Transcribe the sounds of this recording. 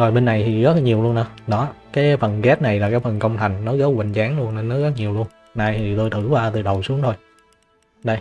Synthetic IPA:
zo˨˩jɓe˧nːa˨˩jt̪ʰi˨˩ɣə˦˥t̚ɲi˨˩əwlu˧ənʔəː˨˦ɗɔ˨˦kaː˨˦jfə˨˩nɣɛ˦˥t̚na˨˩jlaː˨˩kaː˨˦jfə˨˩nkə˧wŋ͡mt̪ʰa˨˩jŋ̟nɔ˨˦ɣə˨˦wwï˨˩ŋ̟t͡ɕaː˨˦nlu˧ənːe˧nːɔ˨˦ɣə˦˥t̚ɲi˨˩əwlu˧ən | naː˧˩jt̪ʰi˨˩t̪o˧jt̪ʰɨ˧˩kwaː˧t̪ɨ˨˩ɗə˨˩wsu˨˦əŋt̪ʰo˧j | ɗə˧j

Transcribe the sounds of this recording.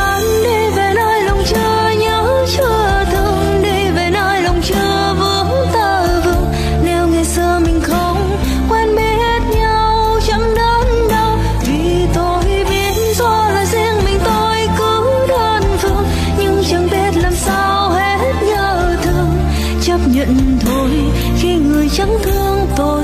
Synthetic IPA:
a˨ | ɗi˧ve˨˩nə˧jlə˨˩wŋ͡mt͡ɕɨ˧ | ɲa˨˧˦ | t͡ɕɨ˧ | t̪ʰɨ˧˩əŋɗi˧ve˨˩nə˧jlə˨˩wŋ͡mt͡ɕɨ˧ | və˧˦ | t̪əː˧˩ | vɨ˧˩əŋ | ne˧wŋa˨˩jsɨ˧mï˨˩ŋ̟xə˧wŋ͡m | kwɛ˧nɓi˧e˦˥t̚ɲa˨˩w | t͡ɕa˧˥ŋɗə˧˦n | ɗə˧w | vʰi˨˩ | t̪o˧jɓi˧˩ənzɔ˧laː˨˩zi˧əŋmï˨˩ŋ̟t̪o˧jkɨ˨˧˦ | t̪ə˧˩nt̪ʰɨ˧əŋ | ɲɨ˧ŋt͡ɕə˧˩ŋɓi˦˧ət̚laː˨˩msaː˧whe˧˥ | t̚ɲəː˧˩t̪ʰɨ˧əŋ | t͡ɕə˦˥p̚ɲə̰˧˨nt̪ʰo˧˩j | xi˧ŋɨ˨˩əjt͡ɕə˨˦ŋt̪ʰɨ˧əŋt̪o˧

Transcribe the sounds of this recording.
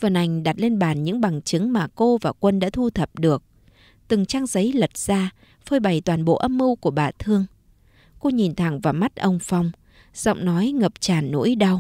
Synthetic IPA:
və˨˩nʔa˨˩jŋ̟ɗa˨˩t̚le˧nɓaː˧˩nɲɨ̰˧˥ŋɓa˨˩ŋt͡ɕɨ˨˦ŋmaː˨˩ko˧vaː˨˩kwə˧nɗa̰ː˧˥t̪ʰu˧t̪ʰə˨˩p̚ɗɨ˨˩ək̚ | t̪ɨ˨˩ŋt͡ɕaː˧ŋzə˨˦jlə˨˩t̚z̥aː˧ | fəː˧jɓa˨˩jt̪waː˨˩nɓo̰˧˨ʔə˧mːɨ˧wku˧˩əɓaː˨˩t̪ʰɨ˧əŋ | ko˧ɲi˨˩nt̪ʰa˧˩ŋvaː˨˩ma˦˥t̚ʔə˧wŋ͡mfa˧wŋ͡m | z̥ɔ̰˧˨wŋ͡mnɔ˨˦jŋə˨˩p̚t͡ɕaː˨˩nːṵ˧˥jɗa˧w

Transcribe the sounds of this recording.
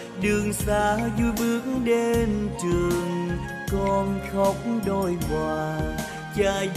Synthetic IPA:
ɗɨ˨˩əŋsaː˧˦zu˧˦jɓɨ˦ək̚ŋɗe˧nt͡ɕɨ˨˩əəŋ | kɔ˧nxə˦wk͡p̚ŋ͡mɗo˧˩jkwaː˨˩ | t͡ɕaː˧˩

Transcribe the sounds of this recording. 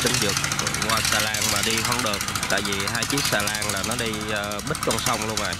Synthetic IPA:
t͡ɕï˧ŋ̟zɨ˨˩k̚ŋwaː˨˩jsaː˧˩laː˧ŋmaː˨˩ɗi˧ɦə˧nɗɨ˨˩ək̚t̪a̰ː˧˨jvi˨˩ɦaː˧jt͡ɕi˦˥ək̚saː˧˩laː˧ŋlaː˨˩nɔ˨˦ɗi˧ | ɓi˦˥t̟̚kɔ˧nsa˧wŋ͡mlu˧əŋʔa̰˨˩j

